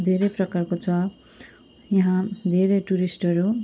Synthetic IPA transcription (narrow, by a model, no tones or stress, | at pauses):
d̪ʱeɾʌjprʌkarkot͡sʰʌ | jʌɦãd̪ʱeɾejʈuɾisʈʌɾu